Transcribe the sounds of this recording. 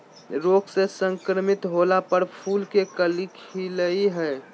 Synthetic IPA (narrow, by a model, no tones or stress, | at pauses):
ɾoːksesə̃ŋkɾəmɪt̪ɦoːlapəɾpʰuːlkekəlɪkʰiləiɦɛ